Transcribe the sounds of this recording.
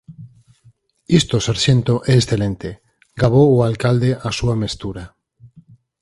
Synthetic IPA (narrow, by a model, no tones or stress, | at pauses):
ist̪osaɾʃẽnt̪oʔeːsθelẽnt̪e | ɡaβ̞ooalkald̪eʔasuamest̪uɾa